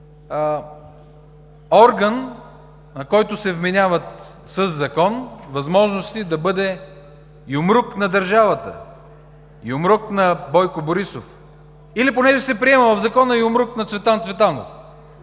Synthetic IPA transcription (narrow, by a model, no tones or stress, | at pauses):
ɔɾɡənː | ɐkɔjt̪ʊsɛvmɛnʲavət̪ | səzːɐkɔnvɐzmɔʒnost̪id̪ɐbɤd̪ɛ | jʊmɾuknɐd̪ɐɾʒavɐt̪ə̰ | jʊmɾʊknɐbɔjkʊboɾisof | iliponɛʒɛsɛpɾiɛmɐvɐvzɐkɔnəjʊmɾuknɐt̪svɛt̪ant̪svɛt̪ano̰f